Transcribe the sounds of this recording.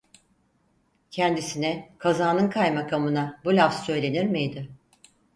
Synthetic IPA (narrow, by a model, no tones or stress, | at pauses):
cʰɛnd̪isinɛkʰazaːnɯnkʰajmakʰamɯnabulʲafssø̞jlʲe̞niɾmijd̪ɪ